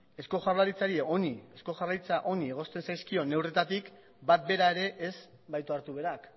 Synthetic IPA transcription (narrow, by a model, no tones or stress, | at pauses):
e̞sko̞ʝarlaɾit͡saɾieo̞nie̞sko̞ʝarajt͡saʔo̞nie̞ɣ̞o̞st̪e̞nsajskio̞ne̞wre̞t̪at̪ik | bat̪̚be̞ɾae̞ɾe̞ʔesz | bajt̪oaɾt̪uβ̞e̞ɾak